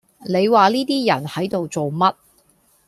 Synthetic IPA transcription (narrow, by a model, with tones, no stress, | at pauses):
ne˨˧jwaː˨liː˥t̪iː˥jɐ˨˩nhɐ˨˥jt̪o˨wt͡so˨wmɐ˥t̚